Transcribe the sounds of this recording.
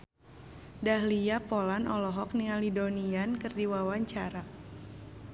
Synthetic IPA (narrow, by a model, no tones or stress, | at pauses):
dahliapɔlanʔɔlɔɦɔk̚niŋalidoniankɨrdiwawaɲt͡ʃaɾa